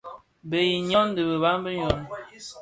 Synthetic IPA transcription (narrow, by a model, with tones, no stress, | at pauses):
be˨ji˨ɲɔ˦n˦də˨bə˨ba˦mbə˦ɲɔ˨n